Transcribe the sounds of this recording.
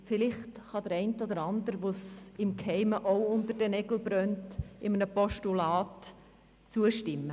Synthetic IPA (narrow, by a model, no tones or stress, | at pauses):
fɪlɪχtχɑd̥̪əɾɛɪntod̪əɾɑnd̪əɾʋosɪmkhɛɪməʔoʊʊndəɾdɛnɛɡl̩bɾœntɪmənəpɔʃtulɑːt | t͡suəʃtɪmːə